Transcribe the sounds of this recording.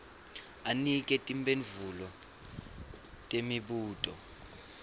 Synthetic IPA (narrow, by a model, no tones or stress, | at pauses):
anik̬ʼɛtʼimbeɱvulɔ | tʼemiɓuːtʼɔ